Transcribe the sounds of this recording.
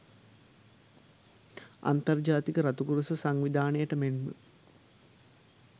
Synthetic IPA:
a̰nt̪ɐrd͡ʒaːt̪ikəɾɐt̪ukuɾəsəsaŋʋid̪ʱaːnəjəʈəmenmə̰

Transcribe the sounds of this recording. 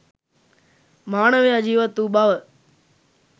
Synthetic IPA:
maːɳəʋjad͡ʒiːʋɐt̪ːubaʋə

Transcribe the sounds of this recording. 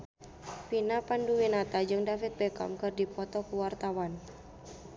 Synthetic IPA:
pinapanduwinat̪ad͡ʒɨŋdafit̪̚bɛkɔ̰mkɨrdipɔt̪ɔkuwart̪awan

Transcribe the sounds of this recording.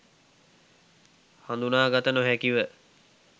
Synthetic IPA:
hand̪unaːɡat̪ənoɦækiʋə

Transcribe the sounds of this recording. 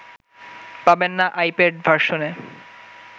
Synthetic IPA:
pabenːaʔajpeɖbʱaɾʃone

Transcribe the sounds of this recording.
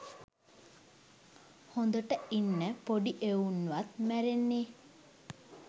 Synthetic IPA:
hond̪oʈəinːəpoɖiʔeunːuʋat̪̚mæɾenːeː

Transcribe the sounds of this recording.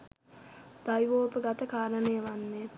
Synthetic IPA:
d̪̥ajʋoːpəɡɐt̪əkaːɾənejəʋanːe

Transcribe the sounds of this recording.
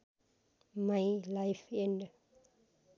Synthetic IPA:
majlajfɛ̃ndə

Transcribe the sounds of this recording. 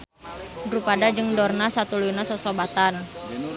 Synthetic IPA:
dɾupadad͡ʒɨŋdɔrnasat̪ulujunasɔsobat̪an

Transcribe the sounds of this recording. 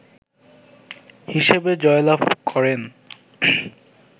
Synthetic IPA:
hiʃebed͡ʑɔelapkʰɔɾen

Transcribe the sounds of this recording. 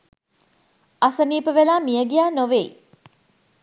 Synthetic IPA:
asəniːpəʋelaːmijəɡijaːnoʋeḭ

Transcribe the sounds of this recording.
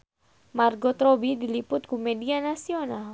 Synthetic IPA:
marɡot̪ɾobidilipʊt̪̚kumedianasional

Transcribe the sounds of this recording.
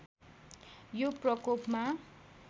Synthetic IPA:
joprʌkopma

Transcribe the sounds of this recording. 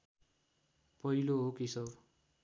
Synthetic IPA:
pʌɦiloɦokisʌw

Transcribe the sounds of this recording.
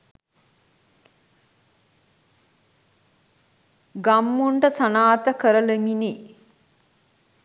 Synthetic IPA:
ɡamːuɳʈəsanaːt̪əkəɾəlemini

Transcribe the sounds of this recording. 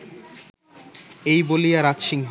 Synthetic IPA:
ejbolijaɾat̪ʃiŋɦ

